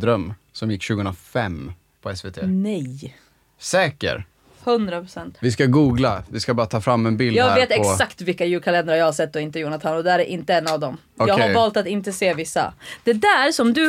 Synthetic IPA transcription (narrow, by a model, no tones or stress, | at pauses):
d̪ɾœmː | sɔmjɪkːɕʉ̟ɡəɵnɾafɛm | pʰɔɛsveːt̪ʰḛːnɛj | sɛːkə̰ɾ | hɵnd̪ɾapʰɾʊsɛnt̪vɪskaɡuːɡlavɪskabɑːɾat̪ʰɑːfɾamːɛnbɪlɑːɡeːt̪ɛɔksakt̪vɪlkːajʉːkʰalɛnd̪əɾajɑːhasɛt̪̚ːɔɪnt̪əjuːnat̪ʰanːɔd̪ɛæɾɛʔɪnt̪əɛnːavd̪ɔm | jɑːɡhaɾvɑːlt̪at̪ɪnt̪əseːvɪsːa̰d̪̥ɛd̪æːɾsɔmd̪ɵ